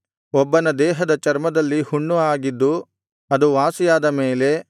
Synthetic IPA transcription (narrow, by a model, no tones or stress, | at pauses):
ɔbːɐnɐd̪ɛːɦɐd̪ɐt͡ʃɐɾmɐd̪ɐlːihuɳːuaːɡid̪ːu | ɐd̪uʋaːsijaːd̪ɐmeːle̞